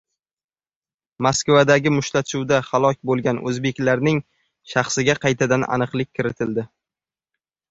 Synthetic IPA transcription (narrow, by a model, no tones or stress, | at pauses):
maskvad̪aɡʲɪmʊʃlaʃuwd̪ahalˠɒkʲbolˠɡʲanʔɵ̰zbe̞kʲlaɾnɪŋ | ʃɑχsɪɡʲaqʰɑjt̪ʰad̪ana̰nɨqlˠɪk̚ʲʰːɪɾɪt̪ʰɪld̪ɪ